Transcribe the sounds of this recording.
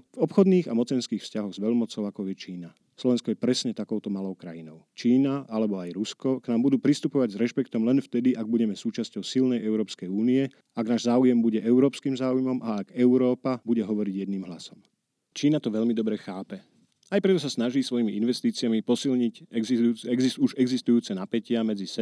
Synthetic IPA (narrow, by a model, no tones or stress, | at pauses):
vɔpxɔd̪niːɣamɔt͡sɛnskiːxfscaɦɔɣzʋɛʎmɔt͡sɔʊakɔjɛt͡ʃiːna | slɔʋɛnskɔjɛpɾɛsɲɛt̪akɔʊt̪ɔmalɔʊkɾa̰jinɔʊt͡ʃiːnaalɛbɔajɾuskɔknaːmbud̪uːpɾist̪upɔʋaɟzɾɛʃpɛkt̪ɔmlɛnft̪ɛd̪iʔaɡ̚buɟɛmɛsuːt͡ʃascɔʊsilnɛjɛʊɾɔːpskɛjuːniɛ | aɡnaːʒzaːujɛmbuɟɛʔɛʊɾɔːpskiːmzaːujmɔmaːɡɛʊɾɔːpabuɟɛɦɔʋɔɾiɟjɛd̪niːmɦlasɔm | t͡ʃiːnat̪ɔʋɛʎmid̪ɔbɾɛxaːpɛ | ajpɾɛt̪ɔs̬asnaʒiːsʋɔjimiinʋɛst̪iːt͡siɪamipɔsilɲicː | ɛɡzisuʒɛɡzist̪ujuːt͡sɛnapɛcɪamɛd͡zisɛ